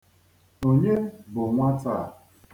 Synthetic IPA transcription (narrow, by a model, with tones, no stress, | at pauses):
o˨ɲe˦bʊ˨ŋʷa˦ta˦˨